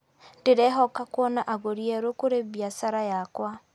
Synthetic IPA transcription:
teɾɛɦɔkakwɔnaʔaɣoɾiɛɾokoɾeβjasaɾajakwa

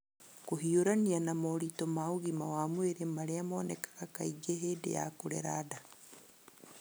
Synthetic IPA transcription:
koɦioɾanianamoɾitɔmauɣimawamweɾemaɾeamonekḁɣakaiɡeɦedḛja̰koɾḛɾada

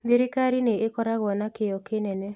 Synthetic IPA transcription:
d̪iɾɪkaɾineɪkɔɾaɣɔnakɪjɔkɪnɛnɛ

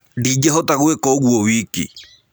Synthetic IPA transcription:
did͡ʒeɦotaɣuekɔɣwowikḭ

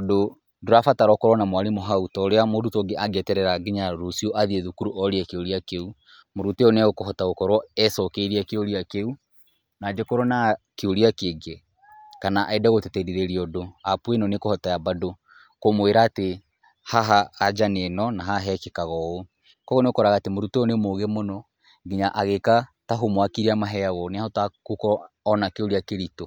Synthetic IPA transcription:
odo | doɾafataɾɔkɔɾwɔnamwaɾemoɦautɔoɾeamoɾutoːɡeʔaɡɛtɛɾɛɾaɡeɲaɾosioʔaðieðukuɾuʔɔɾiɛkeoɾiakeu | moɾuteɔneaɣokoɦɔtaɣokɔɾwɔɛsɔkeiɾiakeoɾiakeu | nad͡ʒekoɾonakeoɾiakeɡe | kanaʔaedaɣotetɛɾiɾeɾiɔdoapuenɔnekohɔtajabado | komoeɾaːte | haɦaːd͡ʒanenɔnaɦaɦɛkekaɣɔo | kɔɣoneokɔɾaɣatemoɾuteɔnemoɣemonɔ | ŋɡiɲaʔaɣekataɦomwakiɾiamaɦɛaɣɔneahɔtakokɔɔnakeoɾiakeɾito

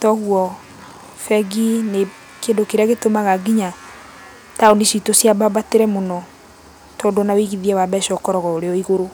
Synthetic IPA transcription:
tɔɣwɔ | fɛɡine | kendokeɾeaɣetomaɣaɡiɲa | taonesitosjababateɾɛmonɔ | tɔdɔnawiɣiðiɛwaβɛʃɔkɔɾɔɣɔoɾeɔiɣoɾo

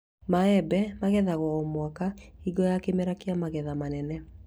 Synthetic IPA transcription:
maɛbɛmaɣɛðaɣɔɔmwakaiɡɔjakemɛɾakeamaɣɛðamanɛnɛ

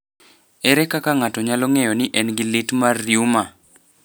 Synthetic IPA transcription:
ɛɾɛkakaŋatɔɲalɔŋɛjɔnɪʔɛnɡɪlɪtmarːjuma

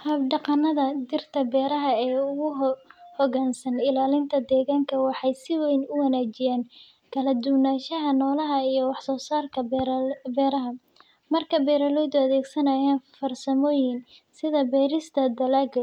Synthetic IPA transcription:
hɐbɖɑqɑnːɐðɐd̪ɪrt̪ʰɐbɛːɾɐɦɐɛːʊɣʊhɔɣaːnsɐnɪlaːlɪnt̪ʰɐd̪ɛːɣaːŋkʰɐwɑħɑjsɪwejnʊwɐnaːt͡ʃɪjaːn | kʰɐlɐd̪ʊwnaːʃɐɦɐnɔːlɐɦɐijɞwɑħsɔːsaːrkʰɐbɛːɾɐɦɐ | mɐrkʰɐbɛːɾɐlɔjd̪ʊɐðɛːɡsɐnɐjaːnfɐrsɐmɔːjɪnsɪðɐbɛːɾɪst̪ʰɐd̪ɐlaːɡɐ

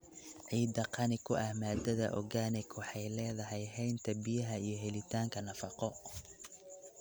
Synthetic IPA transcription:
ʕiːd̪ɐqʰɑnɪkʰʊʔɐhmaːd̪ɐðɐ̰ʔɔ̰ɣaːnɪɡwɑħɑjlɛːðɐɦɛjɦɛjnt̪ʰɐbɪjɐɦɐijɞɦɛlɪt̪ʰaːŋkʰɐnɐfɑqɔ

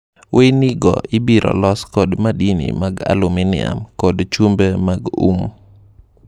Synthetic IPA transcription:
wʔeniɡɔ̰ʔɪbiɾɔ̰lɔskɔdmadinḭmaɡa̰lʊminɪa̰mkɔdt͡ʃumbemaɡṵm

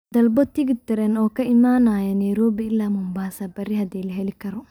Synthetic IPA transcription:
d̪ɐlbɔt̪ːiɡɪt̪ːɐɾɛnɔkːɐɪmːaːnaːjɐneɾoːbiɪlːaːmumbaːsabɐɾːihɐd̪eːlɛɦɛlɪkːɐɾɔ

